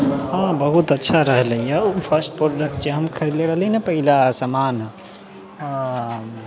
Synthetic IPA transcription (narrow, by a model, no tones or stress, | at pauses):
ɦãbəɦut̪ətːʃʰaɾəɦləjjəpʰəɾsʈ̚pɾɾoɖək̚ʈ̚t͡ʃeɦəmkʰəɾid̪leɾəɦəlinepəɦilasəman